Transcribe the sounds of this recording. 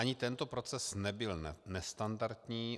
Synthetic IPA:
aɲɪt̪ɛnt̪opɾo̞t͡sɛsnɛbɪlnɛst̪andaɾt̪ɲiː

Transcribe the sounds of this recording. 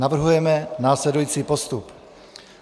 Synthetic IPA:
avr̩ɦujɛmɛnaːslɛdujiːt͡siːpost̪up

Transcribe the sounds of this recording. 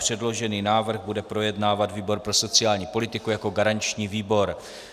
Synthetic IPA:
pr̥ɛdlo̞ʒɛniːnaːvr̩ɣbudɛpɾo̞jɛdnaːvat̪viːbo̞ɾpɾo̞so̞t͡sɪaːlɲiːpo̞lɪt̪ɪkujako̞ɡaɾaɲt͡ʃɲiːviːbo̞ɾ

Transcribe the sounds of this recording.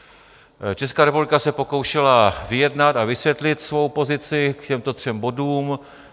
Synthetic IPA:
t͡ʃɛskaːɾɛpublɪkasɛpo̞ko̞wʃɛlavɪjɛdnat̪avɪsvjɛt̪lɪt̪svo̞wpo̞zɪt͡sɪkcɛmt̪o̞t̪r̝̥ɛmbo̞duːm

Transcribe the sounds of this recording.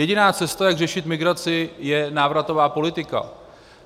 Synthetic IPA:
jɛɟɪnaːt͡sɛst̪ajaɡrɛʃɪt̪mɪɡɾat͡sɪjɛnaːvɾat̪o̞vaːpo̞lɪt̪ɪka̰

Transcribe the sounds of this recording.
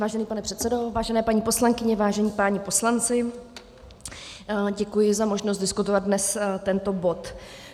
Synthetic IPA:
vaːʒɛniːpanɛpr̥ɛt̪sɛdo̞vaːʒɛnɛːpaɲiːpo̞slaŋkɪɲɛvaːʒɛɲiːpaːɲɪpo̞slant͡sɪ | ɟɛkujɪzamoʒnost̪dɪskut̪ovat̪̚dnɛst̪ɛnt̪o̞bo̞t̪

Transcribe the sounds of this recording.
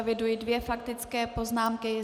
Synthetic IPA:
vɪdujidvjɛfak̚t̪ɪt͡skɛːpo̞znaːmkɪ

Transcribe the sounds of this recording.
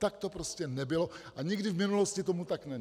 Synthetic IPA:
t̪akt̪opɾoscʲɛnɛbɪloʔaɲɪɡdɪvmɪnuloscɪt̪omut̪aknɛ

